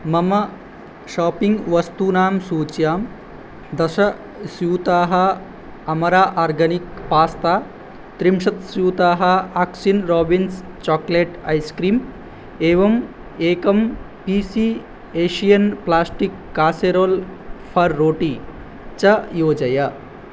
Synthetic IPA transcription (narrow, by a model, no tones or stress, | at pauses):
mɐmɐ | ʃaːpiŋɡʋɐst̪unaːmsuːt͡ʃjaːm | d̪ɐʃɐ | sjuːt̪aːɦɐ | ɐmɐɾaːʔaːɾɡɐnikpaːst̪aː | t̪ɾimʃɐt̪sjuːt̪aːɦɐaksinɾoːbins | t͡ʃɔːkleːʈɐ̰jskɾiːm | eːʋɐm | eːkɐm | piːsiː | eːʃijɐnplaːsʈikːaːseɾoːlpʰɐɾːoːʈiː | t͡ʃɐjoːd͡ʒɐjɐ